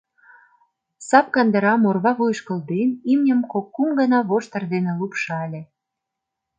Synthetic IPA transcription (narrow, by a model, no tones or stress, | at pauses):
sɑp̚kɑnd̪ə̆ɾɑmorβɑβujʃkə̆ld̪enimnʲəmkokːumɡə̆nɑβoʃt̪ə̆rd̪enĕlupʃɑlʲĕ